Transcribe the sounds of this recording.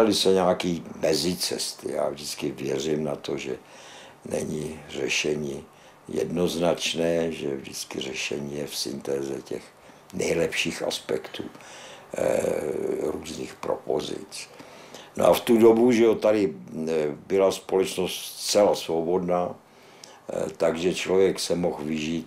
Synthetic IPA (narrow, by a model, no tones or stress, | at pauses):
alɪsɛɲaːkiːmɛzɪt͡sɛ̰st̪ɪ̰ja̰ːvdɪt͡skɪvjɛrɪmnat̪ʰo̞ʒɛ | nɛ̰ɲɪr̝ɛʃɛɲiː | jɛ̰dno̞znat͡ʃnɛːʒɛvdɪt͡skɪrɛʃɛ̰ɲiːjɛfsɪ̰nt̪ɛːzɛcɛx | nɛjlɛpʃiːxʔa̰spɛkt̪ʰṵː | ɾuːzniːxpɾo̰po̰zɪ̰t͡s | no̰ʔaft̪udo̞buʒɛot̪adɪ | bɪlaspo̞lɛt͡ʃno̞st̪t͡sɛlasvobo̞dnaː | t̪aɡʒɛt͡ʃlovjɛksɛmo̞xvɪʒiːt̪